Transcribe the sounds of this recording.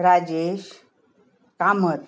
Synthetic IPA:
ɾad͡ʑeɕ | kamət̪

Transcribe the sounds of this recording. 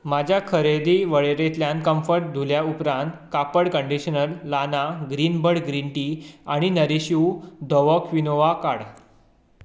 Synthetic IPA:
mad͡ʑʱjakʰəɾed̪iʋəɭeɾet̪ljãnkəmfəɾʈ̚d̪ʱuljaupɾãnt̪kapəɽkəɳɖiɕənəlːanaɡɾiːnbəɽɡɾiɳʈiaɽ̃inəɾiɕiud̪ʱəʋəkʰʋinoʋakaɽ

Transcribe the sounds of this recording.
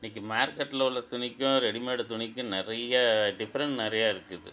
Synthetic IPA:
ɪnːik̬ʲːɯmaːɾkːɐʈːɪlɐʊɭːɐt̪ʊɳɪkʲːʊ̃ɔɾɯɛɽɪmeːɽɐt̪ʊɳɪkʲːʊ̃nɪɾɐjaɖɪfɐɾɐɳʈnɪɾɐjaːɪɾɯkːɯðɯ̰

